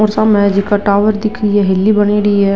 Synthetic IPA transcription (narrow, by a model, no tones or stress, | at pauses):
oːɾsãːmɛ̃ːd͡ʒɪkaʈaːʋəɾd̪ɪkʰɾiːɛːɦɪlːiːbəniːɾiːɦɛː